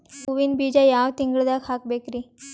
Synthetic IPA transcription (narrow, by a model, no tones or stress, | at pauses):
uʋinbid͡ʑajaʋt̪iŋɡɭd̪akʰak̚bekɾi